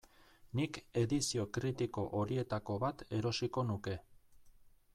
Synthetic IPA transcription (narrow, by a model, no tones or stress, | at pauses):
nike̞ðisio̞kɾit̪iko̞ʔoɾie̞t̪ako̞βat̪e̞ɾo̞siko̞nuke̞